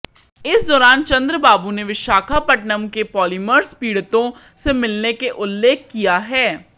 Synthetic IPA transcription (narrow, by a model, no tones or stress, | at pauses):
ɪsd̪ɔːɾaːnt͡ʃɐ̃nd̪ɾəbaːbuneʋɪʃaːkʰapɐʈnəmkepɔːliməɾspiːɽt̪õ | semɪlnekeʔʊlːeːkʰːijaɦɛː